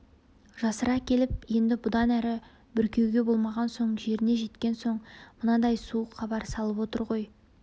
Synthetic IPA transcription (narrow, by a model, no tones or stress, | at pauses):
ʒɑsəɾɑkʲʰe̞lɪp̚je̞nd̪ɪbʊd̪ɑnæɾɪ | bʏɾkʲʰe̞wɡʲe̞bo̞lˠmɑʁɑnso̞ɴʒe̞ɾɪne̞ʒe̞t̪kʲe̞nso̞ɴmənɑd̪ɑjsuəqχɑbɑɾsɑlˠəpwo̞t̪əɾʁo̞j